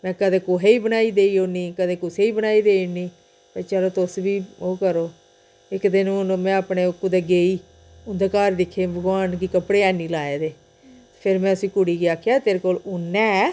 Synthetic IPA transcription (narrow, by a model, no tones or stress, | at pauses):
mɛ̃ːkəd̪eːkoɦeːiːbənaːiːd̪eːiːoːnĩːkəd̪eːkʊseːiːbənaːiːd̪eːniː | pəɾt͡ʃɛːloːt̪ʊsʋiːoːkəɾoː | ɪkd̪ɪnːnmɛ̃ːapɳeːʊkʊd̪eːɡeːiː | ʊnd̪ekaːɾd̪ɪkʰːeːbəɡʋaːnkiːkəpɽeːaːniːlaːeːd̪eː | pʰɪɾmɛ̃ːəsĩːkʊɽiːɡiːaːkʰːjaːt̪eːɾeːkoːlʊnːɛ̃ː